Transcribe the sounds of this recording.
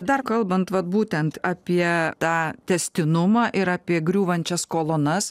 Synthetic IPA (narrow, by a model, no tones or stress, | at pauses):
d̪ɐrkɐlˠbɐnt̪ʋɐt̪̚buːt̪ʲɛnt̪ɑːpʲiɛt̪ɑːt̪ʲɛsʲt̪ʲɪnʊmɑːʔɪɾɑːpʲiɛɡɾʲuːʋɐnʲt͡ʃʲɛskoːlˠoːnɐs